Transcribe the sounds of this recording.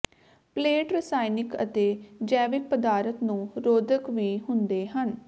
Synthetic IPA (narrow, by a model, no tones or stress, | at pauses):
pleːʈɾɪsaːinɪkə̰t̪eːd͡ʒɛːʋɪk̚pəd̪aːɾət̪nũːɾoːd̪əkʋiːɦʊnd̪eːɦən